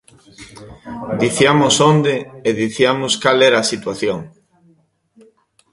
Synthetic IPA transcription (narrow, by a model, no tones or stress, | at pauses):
d̪iθjiamʊsond̪eeðiθiamʊskalɛɾaːsit̪waθjoŋ